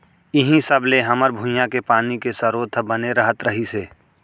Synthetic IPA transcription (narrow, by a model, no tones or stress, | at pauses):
ɪɦĩsəbleɦɐməɾbʱʊ̃jãkepaːnikesəɾoːt̪ʰəbəneɾəɦət̪ɾəɦiseː